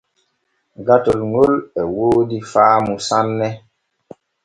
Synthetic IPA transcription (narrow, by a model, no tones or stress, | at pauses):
ɡatolŋolɛwoːdifaːmusanːɛ